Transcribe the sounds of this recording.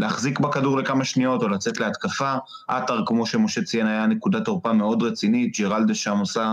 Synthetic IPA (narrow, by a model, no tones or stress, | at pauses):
leaχzikbakaduʁle̞kamaʃnio̞to̞lat͡set̪leat̪kafa | ʔataʁkmo̞ʃe̞mo̞ʃet͡sienajane̞kudatoʁpame̞o̞dʁet͡sinit̚d͡ʒeʁaldeʃamosa